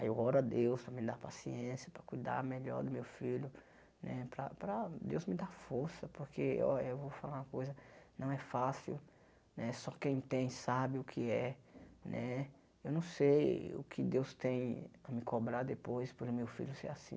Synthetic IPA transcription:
aewɔɾad̪ewspɾɐmɪd̪aɾpasiẽsjɐpɾɐkujd̪a̰ɾmeʎɔ̰ɾd̪ʊmewfiʎʊ | nɛpɾɐ̰pɾɐd̪ewzmɪd̪afoɾsɐpoɾkʰeḛewvowfalaɾũɐkojzɐnɐ̃w̃ɛfasḭw | nɛsɔkẽj̃t̪ẽj̃sabɪʊkʰɪɛnʔɛ | ewnɐ̃w̃sejʊ̰kʰɪd̪ewst̪ẽj̃ɐmɪkobɾaɾd̪epojspoɾʊmewfḭʎʊsḛɾasḭ̃

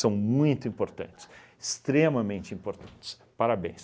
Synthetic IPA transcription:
sɐ̃w̃mũj̃t̪ʊĩpoɾt̪ɐ̰̃nt͡ʃɪ̥s | ɪst̪ɾemɐmẽnt͡ʃɪĩmpoɾt̪ɐ̃nt͡ʃɪ̥s | paɾabḛ̃j̃s

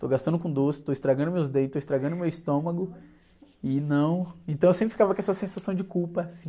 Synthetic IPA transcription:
t̪oɡast̪ɐ̃nd̪ʊkõd̪osɪ̥t̪oist̪ɾaɡɐ̃nd̪ʊmewzd̪ẽt̪oist̪ɾaɡɐ̃nʊmewist̪õmɐɡʊ | ɪnɐ̃w̃ẽnt̪ɐ̃w̃ewsẽpɾɪfikavɐkõɛsɐsẽsasɐ̃w̃d͡ʒɪkuwpɐːsĩ

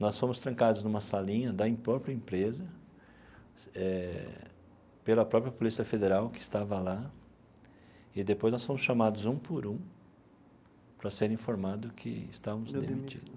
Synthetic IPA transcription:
nɔsfõmʊst̪ɾɐ̃kad̪ʊznũmɐsalĩɲɐd̪ɐĩpɾɔpɾiɐẽpɾezɐ | ɛ | pelɐpɾɔpɾjɐpolisiɐfed̪eɾawkɪst̪avɐla | ɪd̪epojznɔsfõmʊsʃɐmad̪ʊzũpoɾũ | pɾɐseɾĩfoɾmad̪ʊkʰɪ̰ɪ̰st̪amʊzd̪ḛmit͡ʃid̪

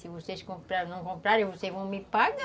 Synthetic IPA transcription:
sɪvoseʃkõpɾanɐ̃w̃kõmpɾaɾẽj̃vosevɐ̃w̃mɪpaɡɐ

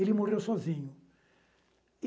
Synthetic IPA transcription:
elɪmoʁewsɔzĩɲʊ

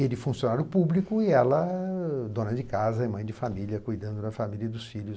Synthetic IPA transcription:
elɪfũsjonaɾjʊpublikʊɪɛlɐd̪õnɐd͡ʒɪkazɐɪmɐ̃j̃d͡ʒɪfamiljɐkujd̪ɐ̃nd̪ʊd̪ɐfamilʲjɐd̪ʊsfilʊ

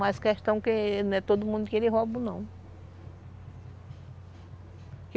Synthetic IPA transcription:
ajskɛʃt̪ɐ̃w̃kɪnɛt̪od̪ʊmũd̪ʊkelɪɦɔbʊnɐ̃w̃ | k

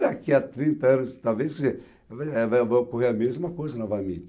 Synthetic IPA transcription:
akiat̪ɾĩnt̪ɐɐ̃nʊst̪awveskize | vaɛvajvajokoɦeɾɐmezmɐkojzɐnɐfamḭʎɐ

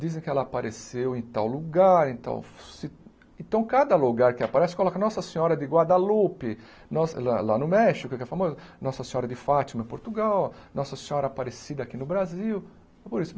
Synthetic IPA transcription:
d̪izẽj̃kɪɛlɐːpaɾesewẽt̪awluɡaɾẽt̪a̰wsɪ | ẽnt̪ɐ̃w̃kad̪ɐluɡaɾkɪapaɾɛsɪ̥kolɔkɐnɔsɐsẽɲɔɾɐd̪ɪɡwad̪alupɪ | nɔslalanʊmɛʃikʊɪkɛfamozɐnɔsɐsẽɲɔɾɐd̪ɪfat͡ʃ̪imɐẽpoɾt̪uɡawnɔsɐsẽɲɔɾɐapaɾesid̪ɐakinʊbɾaziw | poɾisʊ

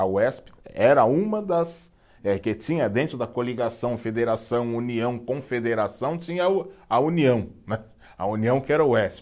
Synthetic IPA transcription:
aʊɛspɛɾɐũmɐd̪ɐs | ɛket͡ʃĩɲɐd̪ẽnt̪ɾʊd̪ɐkoliɡasɐ̃w̃fed̪eɾasɐ̃w̃uniɐ̃w̃kõfed̪eɾasɐ̃w̃t͡ʃĩɲɐɐuniɐ̃w̃nɛ | ɐ̰uniɐ̃w̃kɪɛɾɐʊɛsp

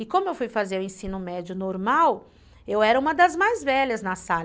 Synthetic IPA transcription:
ɪkõmʊewfujfazeɾʊ̃ẽsĩnʊmɛd͡ʒʊnoɾmaw | ewɛɾɐũmɐd̪ɐzmajzvɛʎɐznɐsa

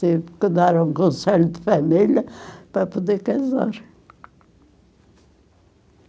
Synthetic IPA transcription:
ipkɨd̪aɾũŋkõnsɛʎud̪fɐmiljɐpɾɐpud̪ekɐza̰ɾ

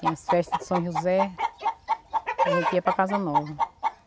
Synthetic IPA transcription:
t̪ĩɐsfɛʃt̪ɐzd̪ɪsɐ̃ʒuzɛ | ʒẽt̪iɐpɾɐkazɐnɔvɐ

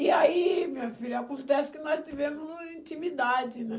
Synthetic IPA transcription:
ɪaimĩɲɐfiʎɐakõnt̪ɛsɪ̥kɪnɔst̪ivẽmʊzĩnt̪imid̪ad̪ɪnɛ

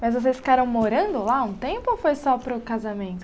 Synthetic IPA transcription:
majzvos̬esfi̥kaɾɐ̃w̃moɾɐ̃nd̪ʊlaũt̪ẽpʊofojsɔpɾʊkazamẽnt̪ʊ̥

